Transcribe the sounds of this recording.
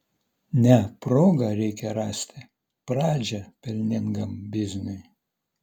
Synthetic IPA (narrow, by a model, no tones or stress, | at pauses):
nʲɛpɾoːɡɐɾʲɛɪkʲɛɾɑːsʲt̪ʲɪ | pɾɑːd͡ʒʲɛpʲɛlʲnʲɪŋɡɐmbʲɪzʲnʲʊɪ